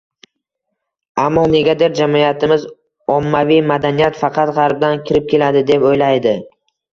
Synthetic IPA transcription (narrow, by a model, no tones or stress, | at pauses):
amːɒne̞ɡʲad̪eɾd͡ʒamjat̪ʰɪmɪz | ɒmːavijmad̪anijat̪fɑqʰɑt̪ʁɑɾb̚d̪ankʲʰɪɾɪp̚kʲʰe̞lad̪ɪd̪e̞pojlajd̪ɪ